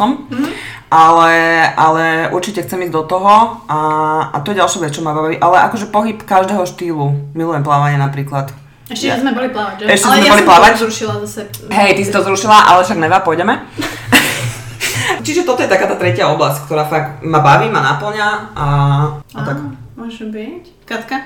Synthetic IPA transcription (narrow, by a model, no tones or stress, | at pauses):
ɔm | ʔalɛʔalɛʔṵɾt͡ʃicɛxt͡sɛmiːzd̪ɔt̪ɔɦɔʔaa̰t̪ɔjɛɟalʃaːʋɛtt͡st͡ʃɔmabaʋaʋiːʔalɛʔakɔʒɛpɔɦipkaʒd̪ɛːɦɔʃt̪iːlumilujɛmplaːʋaɲɪɛnapɾiːklat̪ | ɛʃɛzmɛbɔliplaʋacɛʃcɛmɛbɔliplaːʋazɾuʃilazasɛɦɛjt̪isit̪ɔzɾuʃilaʔa̰lɛfʃaɡnɛʋaːpɔjɟɛmɛ | t͡ʃiʒɛt̪ɔt̪ɔjɛt̪akaːt̪aːt̪ɾɛcɪaɔblasckt̪ɔɾaːfaɡmabaʋiːmanapl̩ɲaʔaat̪akmɔʒbic | kat̪ka